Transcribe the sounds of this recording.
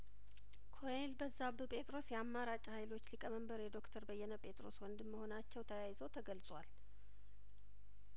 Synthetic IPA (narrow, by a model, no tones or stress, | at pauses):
kʰoɾelbəzːabɨpʼe̞t̪ʼɾo̞sjɛamːaɾat͡ʃʼhajlo̞t͡ʃːlikʼəməmbəɾjɛd̪o̞kt̪ʰəɾbəjːɛnəpʼe̞t̪ʼɾo̞̰swɔnd̪ɨmːəho̞nat͡ʃːɛwt̪ʰəjajɪzot̪ʰəɡəlsʼwal